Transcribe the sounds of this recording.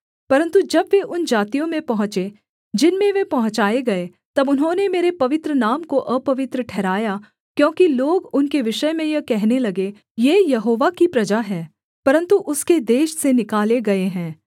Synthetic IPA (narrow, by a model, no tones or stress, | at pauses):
pɐɾə̃nt̪ud͡ʒɐbʋeʔʊnd͡ʒaːt̪ijõmẽpɐɦʊ̃t͡ʃe | d͡ʒɪnmẽʋepɐɦʊ̃t͡ʃaːeɡɐe | t̪ɐbʊnɦõːnemeːɾepɐʋɪt̪ɾənaːmkoʔəpɐʋɪt̪ɾəʈʰɛːɾaːja | kjõːkiloːɡʊnkeʋɪʃəmẽjɐkɛɦnelɐɡe | jeːjɐɦoːʋakipɾɐd͡ʒaɦɛː | pɐɾə̃nt̪uʔʊsked̪eːʃsenɪkaːleɡɐeɦɛ̃ː